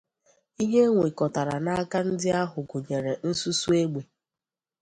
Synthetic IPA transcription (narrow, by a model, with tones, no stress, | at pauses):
i˦ɦe˦ŋʷe˨kɔ˨ta˨ɾa˨na˦a˦ka˦n̩˦dɪ˦a˦ɦʊ˨ɡʊ˨ɲe˨ɾe˨n̩˦su˦su˦e˦ɡ͡be˨